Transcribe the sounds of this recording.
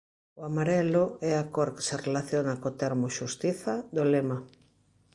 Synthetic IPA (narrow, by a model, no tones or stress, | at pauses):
oamaɾɛloɛakoɾke̥serelaθjonakot̪ɛɾmoʃust̪iθaðolema